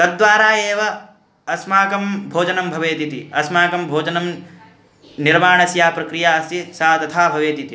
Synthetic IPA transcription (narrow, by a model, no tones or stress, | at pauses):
t̪ɐd̪ːʋaːɾaːeːʋɐ | ɐsmaːkɐmbʱoːd͡ʒɐnɐmbʱɐʋeːt̪it̪ḭɐsmaːkɐmbʱoːd͡ʒɐnɐm | niɾmaːɳɐsjaːpɾɐkɾijaːɐst̪isaːt̪ɐt̪ʰaːbʱɐʋeːt̪it̪i